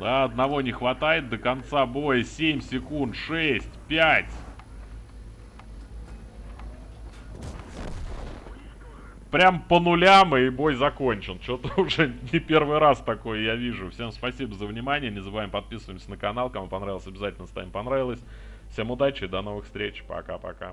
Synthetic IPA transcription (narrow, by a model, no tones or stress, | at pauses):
aɐd̪nɐvo̞nʲɪxvɐt̪ajɪt̪̚d̪əkɐnt̪sabo̞jəsʲemʲsʲɪkunt̪ʂɛsʲtʲpʲætʲ | pɾʲampənʊlʲamɨɪbo̞jzɐko̞nʲt͡ɕɪnt͡ɕo̞t̪əʊʐɛnʲɪpʲe̞rvɨjɾast̪ɐko̞jjavʲiʐʊfsʲemspɐsʲibəzəvnʲɪmanʲɪjənʲɪzəbɨvajɪmpɐt̪̚pʲisəvəjɪmsʲənəkɐn̪alˠkɐmupɐnɾavʲɪlˠsʲɐbʲɪzatʲɪlʲnəst̪a̰ɪmpɐn̪ɾavʲɪlˠəsʲ | fsʲe̞mʊd̪at͡ɕɪjd̪ɐno̞vɨxst̪ɾʲet͡ɕpɐ̰ka̰pɐ̰ka̰